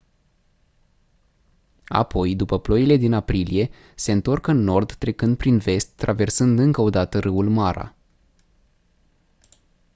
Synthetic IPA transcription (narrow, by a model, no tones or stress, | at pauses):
a̰pʰo̞jd̪upəplo̞ile̞d̪inapɾilije̞ | se̞ɨnt̪o̞rkɨnːo̞rd̪ːɾe̞kɨnd̪̚pɾinve̞st̪ːɾave̞rsɨnd̪ɨŋkəo̞d̪at̪əɾɨulmaɾa̰